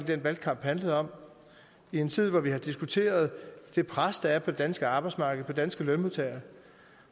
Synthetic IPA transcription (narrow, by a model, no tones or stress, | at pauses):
lid̥enʋæl̥̚kʰɑ̈m̰b̥hænləð̞̩ˠɒ̽m̰ | ie̝nt͡sʰið̞̰ˠʋɒʋihɑ̈d̥isɡ̥ut͡sʰe̝̰ːɐð̞̩ˠd̥e̝pʰʁasd̥ɑ̈æɐpʰɒ̽d̥e̝d̥ænsɡ̥əɑ̈ːb̥ɑɪdsmɑ̈ːɡ̥ð̩ˠpʰɒ̽d̥ænsɡ̥əlønmot͡sʰæɐ